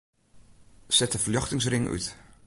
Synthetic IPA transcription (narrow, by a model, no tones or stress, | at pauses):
sɛtəfəljɑχtɪŋsrɪŋʔy̰t